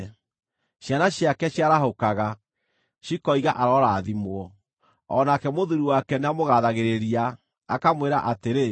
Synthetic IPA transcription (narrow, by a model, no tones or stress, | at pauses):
ɕjanaɕjakɛɕjaɾaɦokaɣa | ʃikɔiɣaʔaɾɔɾaːðimwɔ | ɔnakɛmoðuɾiwakɛneamoɣaðaɣeɾeɾiaː | kamweɾa̰ʔateɾe